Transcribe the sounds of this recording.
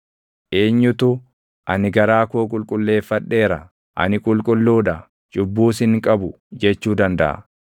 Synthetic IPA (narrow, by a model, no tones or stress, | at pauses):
ʔe̞ːɲːʊt̪ʊ | ʔɐnɪɡɐɾaːkoːkʼʊlkʼʊlːe̞ːfːɐᶑːe̞ːɾɐ | ʔɐ̰nɪkʼʊlkʼʊlːuːᶑɐ | d͡ʒʊbːuːsɪŋkʼɐbʊ | d͡ʒɛt͡ʃːuːd̪ɐnd̪ɐ̰ʔɐ̰